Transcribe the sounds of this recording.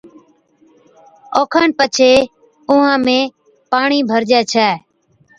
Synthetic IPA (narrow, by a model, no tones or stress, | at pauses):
oːkʰaːnpət͡ʃʰeː | ʊɦãːmẽː | paːɳiːbʱəɾd͡ʒɛːt͡ʃʰɛː